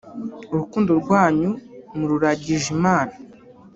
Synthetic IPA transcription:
uɾukuːndoɾɡwaːɲumuɾuɾaɟiʒimaːna

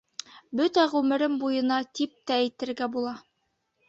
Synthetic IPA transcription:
bɵt̪æʁʉmɘ̆ɾɘmbujɤ̆nɑt̪ip̚t̪æːjt̪ɘ̆ɾɡæbulˠɑ

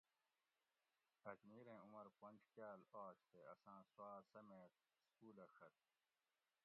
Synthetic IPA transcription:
ɐkmiːɾẽːumɐɾpɐ̃nʲd͡ʑkaːlaːɕt̪eɐsãːswaːsɐmeːt̪ | skuːlɐxɐt̪̚

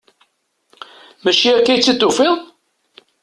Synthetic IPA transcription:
mæt͡ʃːiækːæjt͡sːit̪ːufɪð

